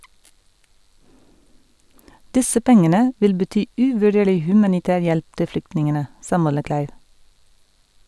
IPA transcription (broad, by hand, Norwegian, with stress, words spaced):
ˈdɪsə ˈpɛŋənə ˈʋɪl bəˈtyː ˈʉːʋʉˌɖeːɭɪ ˈhʉmɑnɪˌtæːɾ ˈjɛlp ˈtɪ ˈflʏktnɪŋənə ˈsɑː ˈmɔləˌklæɪʋ